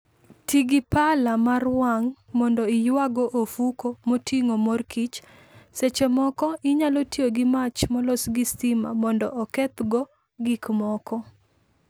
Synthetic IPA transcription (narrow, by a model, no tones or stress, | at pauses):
tʰiɡipalamarwaŋmɔndɔɪjwaɡɔʔofukomotʰiŋomorkit͡ʃ | set͡ʃemɔkɔʔɪɲalotjoɡɪmat͡ʃmɔlosɡistima̰mɔndɔ̰ʔɔkɛt̪ɡɔ | ɡikmɔkɔ